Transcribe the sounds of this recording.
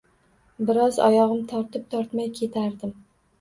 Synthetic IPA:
bɪɾɒzɒ̰jɒʁɨmt̪ʰɒɾt̪ɪp̚t̪ʰɒɾt̪majkʲʰe̞t̪ʰaɾd̪ɪm

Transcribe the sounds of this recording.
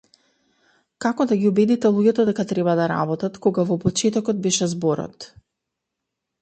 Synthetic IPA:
kakɔd̪aɡʲiubɛd̪it̪ɛlˠuɟɛt̪ɔd̪ɛkat̪ɾɛbad̪aɾa̰bɔt̪at̪koɡavɔpɔt͡ʃɛt̪ɔkɔd̪̚bɛʃɛzbɔɾɔ̰t̪

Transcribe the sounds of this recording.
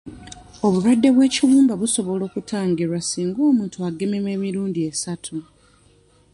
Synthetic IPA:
o̞βuɾwadːe̞βwe̞ːciβuːmbaβuso̞βo̞lo̞ːkutʰaːŋɡiɾwasiːŋɡo̞ːmuːntuaɡe̞meme̞miɾuːndie̞satʰu

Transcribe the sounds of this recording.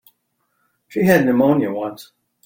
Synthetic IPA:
ʃiɨdⁿnɨmõʊ̃njɨwʌ̃ns

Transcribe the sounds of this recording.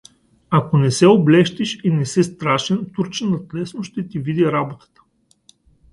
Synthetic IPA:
akonɛsɛoblɛʃt̪iʃinɛsɛst̪ɾaʃɛnt̪uɾt͡ʃɛnɐt̪lɛsnoʃt̪ɛt̪ivid̪iɾabot̪ə̥t̪ə̥

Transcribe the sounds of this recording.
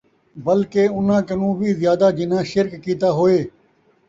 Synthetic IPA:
bəlkeːʊn̤ãːkənũːʋiːzjaːd̪aːd͡ʒɪnãːʃɪɾkːiːt̪aːɦoːeː

